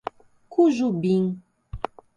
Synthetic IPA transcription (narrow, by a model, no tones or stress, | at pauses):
kuʒubiŋ